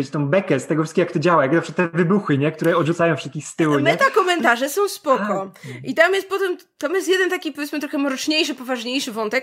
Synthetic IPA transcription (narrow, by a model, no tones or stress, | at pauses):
et͡ɕt̪ɔ̃w̃bɛkɛst̪ɛɡɔfʂɘskʲijakt̪ɔd͡ʑawajaknapʂkat̪t̪ːɛvɘbuxɘɲɛk̚t̪uɾɛɔd̪ʐut̪sajɔ̃wfʂɛst̪kʲixst̪ɘwumɛt̪akɔmɛnt̪aʐɛsɔ̃w̃spɔkɔʔit̪amjɛst̪̚pɔt̪ɛm | t̪amjɛst̪̬jɛd̪ɛnt̪akʲipɔvʲet̪smɘt̪ɾɔxɛmɔɾɔt͡ʂɲejʂɘpɔvaʐɲejʂɘvɔnt̪ɛk